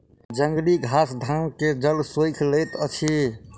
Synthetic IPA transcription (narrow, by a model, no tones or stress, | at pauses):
d͡ʒəŋɡliɡʱasd̪ʱamked͡ʒəlsojkʰləjt̪ət͡ʃʰi